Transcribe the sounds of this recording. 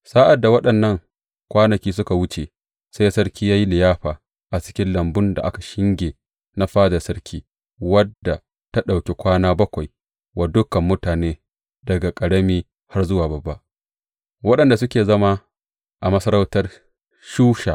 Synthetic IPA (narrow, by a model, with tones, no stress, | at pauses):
saː˦ʔa˨dːa˨wɐ˦ɗɐ˨nːɐ˦ŋ | kʷaː˦nɐ˨kʲiː˦s̬ʊ˦ka˨wʊ˦t͡ʃe˨ | sa˦jsɐ˦ɾkʲiː˦jaː˦ji˦lɪ˨jaː˦ɸaː˨ | ʔa˨t͡ʃɪ̥˦kʲɪ˦nlɐ˨mbʊ˦nda˨ʔa˦ka˨ʃɪ˦ŋɡʲeː˨ | na˦ɸaː˦da˨sɐ˦rkʲʰiː˦ | wɐ˦dːa˨ | ta˦ɗa˨wkʲe˨kʷaː˦naː˦bɐ˦kʷa˨j | wa˨dʊ˦kɐ˨mːʊ˦taː˨neː˦ | dɐ˨ɡa˨kʼɐ˨ɽɐ˦miː˦ | ha˦rzʊ˦waː˨bɐ˨bːa˦ʔ | wɐ˦ɗɐ˨nda˨sʊ˦kʲeː˨zɐ˦ma˦ | ʔa˨mɐ˦sɐ˦ɾa˦wtɐ˦r | ʃuː˦ʃaː˨ʔ